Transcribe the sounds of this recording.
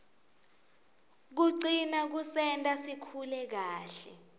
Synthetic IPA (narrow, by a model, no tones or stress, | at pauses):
k̬uǀinak̬usɛntʼasikʰulɛk̬aːɬɛ